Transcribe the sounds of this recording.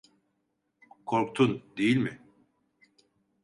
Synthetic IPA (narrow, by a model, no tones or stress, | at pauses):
kʰoɾk̚t̪ʰund̪ejilʲmɪ